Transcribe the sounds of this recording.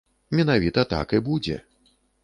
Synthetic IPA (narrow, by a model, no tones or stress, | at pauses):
mʲɛnavʲit̪ɐt̪a̰kɨbud͡zʲɛ̰